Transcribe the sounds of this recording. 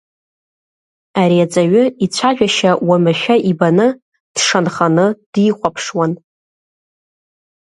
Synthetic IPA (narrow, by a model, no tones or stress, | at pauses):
aɾiat͡sʼaɥʊit͡ɕʷʰaʒᶣaʃawamaʃᶣaʔibanɨ | d̥ʂanχanɨd̥iχʷapʰʂwan